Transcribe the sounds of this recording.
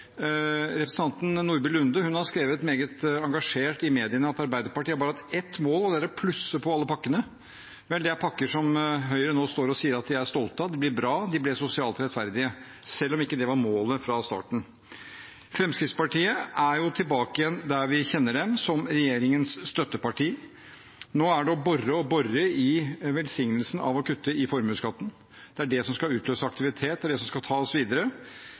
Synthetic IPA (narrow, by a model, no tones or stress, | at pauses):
ɾɛpɾəsn̩ɑnt̪n̩nuːɾbɪlʉnd̪əhʉnhɑɾskɾeːʋət̪meːɡət̪ɑŋɡɑʂeːʈɪmeːd̪ɪənəɑt̪ɑɾbæɪd̪əɾpɑʈiːəbɑːɾɑt̪ɛt̪ːmoːlɔd̪æɾæpʰlʉsːəpʰɔɑlːəpʰɑkːənə | ʋɛld̪ɛæɾpʰɑkːəʂɔmɦœʏɾənoːst̪oːɾɔsiːəɾɑt̪̚d̪ɪæʂt̪ɔlt̪əd̪ɪblɪɾbɾɑːd̪ɪblɛsʊsɪɑːlt̪ɾɛt̪fæɾd̪ɪə | sɛlːɔmɪkːəd̪ɛʋɑɾmoːləfɾɑst̪ɑ̰ːʈɳ̩ | fɾɛmskɾɪt̪spɑʈiːəʔæɾjʊt̪ʰɪlbɑːkɪjɛnd̪æɾʋɪçɛnːəɖɛmsɔmɾɛjeːɾɪŋənsst̪œt̪ːəpɑʈiː | noːæɖɔbɔrəɔbɔrəɪʋɛlsɪŋnəlsən̩ɑ̰ʋɔkʰʉt̪ːəɪfɔɾmʉːskɑt̪ːən | d̪̥ɛæɖɛsɔmskɑʉːt̪løːsəɑk̚t̪ɪʋɪt̪ʰeːt̪d̪æɖɛsɔmskɑt̪ʰɑːɔsʋiːd̪əɾə